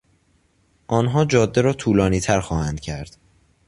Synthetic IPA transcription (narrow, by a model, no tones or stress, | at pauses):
ʔɒːnɦɒːd͡ʒɒːd̪ːeɾɒːt̪ʰuːlɒːniːt̪ʰæɾxɒːhænd̪̥̚cʰæɾd̪̥